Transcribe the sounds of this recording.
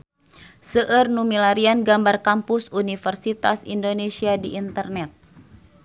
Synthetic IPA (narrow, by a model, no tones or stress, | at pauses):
səʔərnumilaɾianɡambarkampʊsunifərsit̪a̰sḭndonesiadiːnt̪ərnɛt̪̚